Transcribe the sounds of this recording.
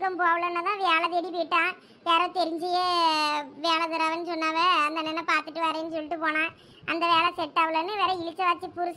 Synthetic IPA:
kːɐmpoːɐʋɐɭɐnːɐt̪ãːʋeːlɐðɛɽipɔːjɪʈːãː | ʋeːɾɐt̪ɛɾɪɲd͡ʒɐjeː | ʋeːlɐðɯɾaːʋɐnːɯsɔnːaːʋɐɐnd̪ɐnːɛnːɐpaːɾt̪ɯʈːɯʋaːɾeɐnːɯsɔlːɪʈːɯpoːnãː | ɐnd̪ɐʋeːlɐsɛʈːaːʋɐɭɐnːɯʋeːɾɐɪlɪt͡ʃːɐʋaːt͡ʃːipʊɾʊs

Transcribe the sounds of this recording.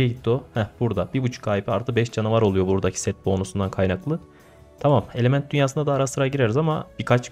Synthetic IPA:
ɛɟit̪̚ʰːd̪ohɛb̥uɾd̪abibut͡ʃʰu̥kʰːaːjipiaɾt̪ɯk̚bɛʃd͡ʒanavaɾolˠujo̞buɾd̪acʰi̥sɛt̪̚bonusund̪ankʰajnaklˠɯ | t̪ʰamame̞lʲe̞mænt̪̚d̪ynjaːs̬ɯnd̪ad̪aːɾasɯɾaɟiɾeɾizama̰bikʰat͡ʃ

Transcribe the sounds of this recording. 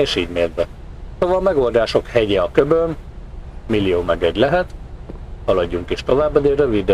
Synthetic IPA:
eːʃiːɟmeːrbɛ | soːvɒlmɛɡo̞ld̪aːʃo̞khɛɟɛɒkøbøn | milːijoːmɛɡɛɟlɛɦɛt̪hɒlɒɟːuŋkiʃt̪o̞vaːbːɒd̪eɾøvid̪

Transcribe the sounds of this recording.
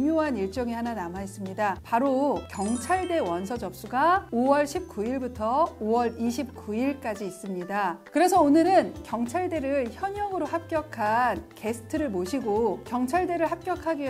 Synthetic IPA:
moɦaniɭt͡ɕ͈ʌŋihananamaes͈ɯmɲidapaɾokjʌŋt͡ɕʰaɭde̞wʌnsʰʌd͡ʑʌp̚s͈uɡaowʌɭɕʰip̚k͈uiɭbutʰʌowʌɾiɕʰip̚k͈uiɭk͈ad͡ʑiːs͈ɯmɲidakɯɾe̞s̬ʰʌonɯɾɯnkjʌŋt͡ɕʰaɭde̞ɾɯɭçjʌɲʌŋɯɾohap̚k͈jʌkʰanke̞sʰɯ̥tʰɯɾɯɭmoɕʰiɡokjʌŋt͡ɕʰaɭde̞ɾɯɭhap̚k͈jʌkʰaɡi

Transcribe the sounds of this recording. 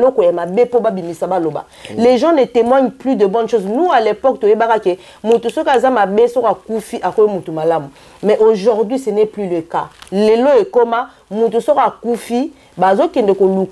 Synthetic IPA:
lokojamabepobabimisabaloba̰ | leʒɑ̃netemwaɲplydəbɔnʃoznualepɔktojebakake | mutusokazamabesokakufiʔakojomutumalamu | mɛʔoʒoʁdwɥisɛnɛplyleka̰leloekoma | mutusokakufi | bazokɛndɛkoluk

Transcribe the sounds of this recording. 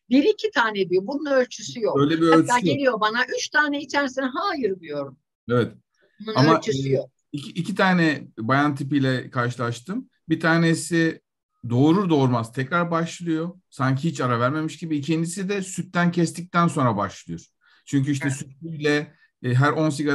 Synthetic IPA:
biɾicʰit̪ʰaːnɛd̪ijobununø̞lʲt͡ʃʰysyjokøjlʲɛbiølʲt͡ʃʰyænlʲijo̞banaʔyt͡ʃt̪ʰaːnɛit͡ʃʰɛɾsinɦaːjɯɾbujo̞ɾum | evɛt̪ | bununaømalt͡ʃʰysyjok̚icʰiʔːcʰit̪ʰaːnɛbajant̪ʰipijlʲɛkʰaɾʃɯlˠaʃt̪ʰɯm | bit̪ʰaːnesi | d̪o̞ːɾud̪o̞ːɾmaz̥t̪ʰɛcɾaɾbaʃlˠɯjo̞ | saɲcʰihit͡ʃaɾavæɾme̞miʃɟibiːcʰind̪isid̪ɛsyt̪ːæncʰɛst̪ʰic̚t̪ʰænso̞nɾabaʃlˠɯjoɾ̥ | t͡ʃʰyɲcyiʃ̬t̪ɛsyt̪yjlʲɛ | ɦæɾo̞ns̬iɡa

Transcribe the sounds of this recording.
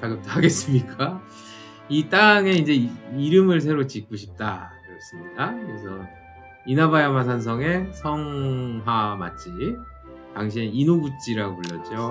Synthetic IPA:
t͡ɕaɡɯp̚t͈oɦaɡe̞s͈ɯmɲik͈a | it͈aŋe̞ind͡ʑe̞iɾɯmɯɭs̬ʰe̞ɾot͡ɕik͈uɕʰip̚t͈a̰kɡes͈ɯmɲidakɯɾesʰʌ | inabajamas̬ʰans̬ʰʌŋe̞sʰʌŋɦama̰t͡ɕ͈i | taŋɕ̬ʰieinoɡut͡ɕ͈iɾaɡopoʎːʌ̰t͡ɕ͈o

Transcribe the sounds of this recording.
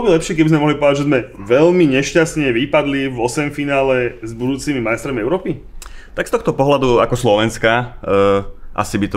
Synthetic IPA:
bɔlɔbilɛpʃɪɛkɛbizmɛmɔɦlipɔʋd̪aɟʒɛzmɛʋɛlmiɲɛʃcast̪ɲɛʋipad̪livɔsɛmfinaːlɛzbud̪uːt͡simimajst̪ɾɔmiɛʊɾɔːpit̪akst̪ɔxt̪ɔpɔɦlad̪uakɔslɔʋɛnska | ʔa̰sibit̪ɔ

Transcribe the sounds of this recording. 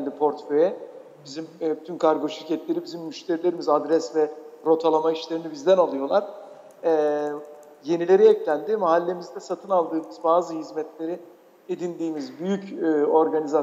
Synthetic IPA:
lʲd̪ipʰo̞ɾt̪fø̞jɛ | b̥izimbyt̪ʰynkʰaɾɡo̞ʃiɾcɛt̪lʲe̞ɾibizimːyʃt̪ʰe̞ɾilʲe̞ɾimizad̪ɾɛsvɛɾo̞t̪ʰalˠamaiʃlʲe̞ɾinibizd̪ænalˠɯjo̞lˠaɾ̥ | ɛ | je̞nilʲe̞ɾiɛclʲænd̪ɪmaɦalʲːe̞mizd̪ɛsat̪ʰɯnalˠd̪ɯːmɯzbaːzɯhizmɛt̪lʲe̞ɾi | ed̪ind̪iːmizbyjycːo̞ɾɡaniza

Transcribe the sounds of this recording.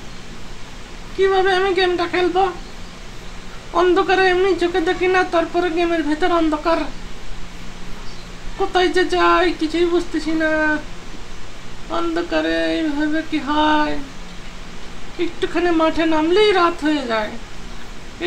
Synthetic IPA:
kibʱabeəmiɡemʈakʰelb̪ɔ | ɔnd̪ʱokəɾemit͡ʃʰoked̪ekʰinat̪ɔɾpɔɾeɡemeɾbʱit̪ɔɾɔnd̪ʱokaɾ | kot̪ajt͡ʃet͡ʃajkit͡ʃʰuibud͡ʒʱt̪it͡ʃʰina | ɔnd̪okəɾebebekiɦaj | kiʈukʰanemaʈʰenamliɾat̪ɦoed͡ʒae

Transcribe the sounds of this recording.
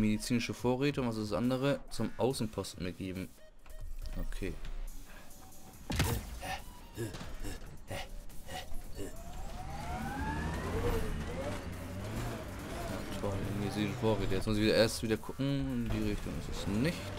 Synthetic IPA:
medit͡siːnɪʃəfoːɐʁeːtəʊŋvas̬ɪssʔa̰ndəʁ̞ət͡sʊmʔaʊsn̩pʰɔstn̩mɪɡ̥eːbm̩ | ʔokʰeː | ja̰ːtʰɔlmet͡siəfoːɐʁeːtəjɛt͡smʊs̬ɪçviːɐʔeːɐstv̥iːdɐkʰʊkŋ̩ɪndiːʁɪçtʊŋɪ̰stɛsnɪçt

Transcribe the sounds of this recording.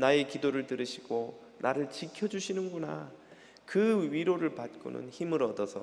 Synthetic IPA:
nae̞kidoɾɯɭtɯɾɯɕʰiɡ̥o | nʔaɾɯɭt͡ɕikʰjʌd͡ʑuɕʰinɯnɡuna̰ | kɯɥiɾoɾɯɭpat̚k͈o̰nɯ̰nçimɯɾʌdʌsʰʌ

